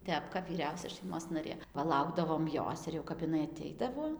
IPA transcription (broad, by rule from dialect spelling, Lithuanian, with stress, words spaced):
ˈtʲɛp kɐp ʋʲiːˈrʲɛʊsʲɛ ʃɐɪˈmoːs nɐˈrʲeː pɐˈlˠɐʊɡdɐʋoːm ˈjoːs ɪr jɛʊ kɐp ɪˈnɐɪ ɐˈtʲɛɪdɐʋoː